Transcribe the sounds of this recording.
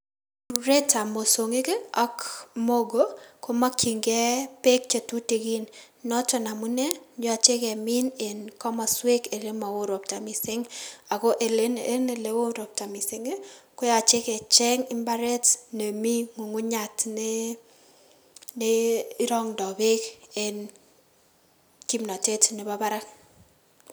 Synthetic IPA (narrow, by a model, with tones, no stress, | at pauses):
ɾe˦ta˨mo˨so˨ŋi˦ke˦ɔ˦kmo˦ɡo˦ko˦ma˦kʰi˨ŋɡɛ˦pe˦k̚t͡ʃe˨tu˦te˨ɡi˦n | nɔ˦tɔ˨na˨mu˦nɛ˦ɲ˦a˨t͡ʃe˦kɛ˨mɪ˦ne˨nkɔ˦ma˨swe˦ke˨le˦ma˨wo˦ɾo˨p̚ta˨mɪ˨sɪ˦ŋa˨ko˦ʔe˨le˦e˦ne˨le˦wo˦ɾo˨p̚ta˨mi˨sɪ˦ŋe˦ko˦ja˨t͡ʃe˦kɛ˨t͡ʃɛ˦ŋɪ˦mba˦ɾɛ˦tne˨mi˦ŋu˨ŋu˦ɲa˨tne˦ | ne˦i˦ɾɔ˦ŋdɔ˨be˦ke˨n | ki˦mnɔ˨te˦tne˨ba˦ba˦ɾa˦k